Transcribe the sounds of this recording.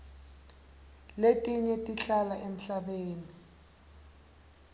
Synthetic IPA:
letʼiɲɛtʼiɬalaʔem̩ɬaɓeːni

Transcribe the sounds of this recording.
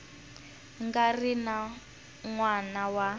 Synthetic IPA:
ŋɡarina | ŋwanawa

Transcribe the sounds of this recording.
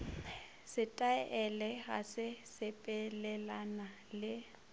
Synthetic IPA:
sɪtʼaʔɛlɛɣa̰sɪsɪpʼɛlɛlana | lɪ

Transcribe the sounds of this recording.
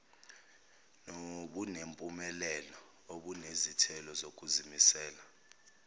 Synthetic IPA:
noɓunempʼumɛlɛlɔ | oɓunezitʰɛlɔzokʼuzimisɛːla

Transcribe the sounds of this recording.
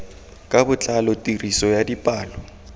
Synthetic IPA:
kʼabʊt͡ɬʼalɔtʼirisɔjadipʼaːlɔ

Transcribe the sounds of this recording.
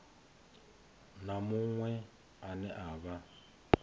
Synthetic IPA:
namuŋwɛ | anɛʔaːβa

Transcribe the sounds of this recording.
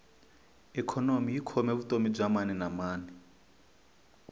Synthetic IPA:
ɛkʰɔnomijikʰɔmeβutomib͡ʐʷamanɛnamaːnɛ

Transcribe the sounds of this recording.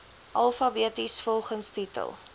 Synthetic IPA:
ʔɐlˠfɐbiətisfɔlˠχənstitə̰lˠ

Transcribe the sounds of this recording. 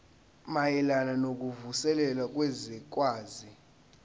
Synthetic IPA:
majɛlananok̬ʼuvusɛlɛlak̬ʼwɛzik̬ʼwaːzi

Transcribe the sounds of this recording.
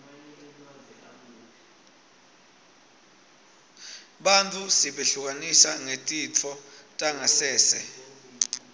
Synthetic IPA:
ɓantʰʼusiɓeɬuk̬ʼanisaŋetʼit͡fʰɔtʼaŋasɛːsɛ̰

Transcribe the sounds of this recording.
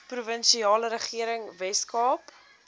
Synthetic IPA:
pruvənʃiɑːləɾəχiəɾəŋvɛskɑːp

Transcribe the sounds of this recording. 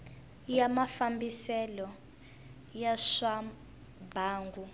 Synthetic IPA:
jamafambisɛlɔ | jaʃa | baːŋɡu

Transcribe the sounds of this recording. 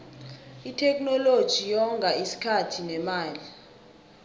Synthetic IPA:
itʰɛknɔlod̥ʒ̥ʱijɔŋɡʱaisi̥kʰatʰinɛmaːli

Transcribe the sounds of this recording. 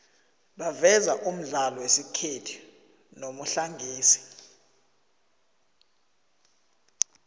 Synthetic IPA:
ɓavɛzaʔum̩ɮalɔwesikʰetʰi̥ | nomuɬaŋɡʱiːsi̥

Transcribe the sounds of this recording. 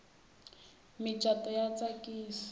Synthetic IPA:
mɪt͡ʃʼatʼɔjat͡sakʼiːsḁ

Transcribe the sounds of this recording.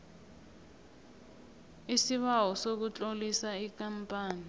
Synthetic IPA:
isiβawɔsok̬ut͡ɬʼolisaik̬ʼampʼaːni

